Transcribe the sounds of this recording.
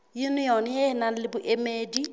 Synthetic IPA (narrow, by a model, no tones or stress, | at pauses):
junijɔnjɪɪnanlɪbʊʔemeːdi